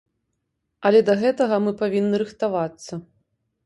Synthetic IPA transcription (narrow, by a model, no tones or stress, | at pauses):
ɐlʲɛd̪ɐɣɛt̪ɐɣɐmɨpavʲinːɨɾɨxt̪avat̪sːɐ